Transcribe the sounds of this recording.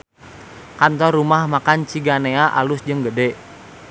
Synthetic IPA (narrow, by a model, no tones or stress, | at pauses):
kant̪ɔrumahmakant͡ʃiɡaneaʔalʊsd͡ʒəŋɡədɛ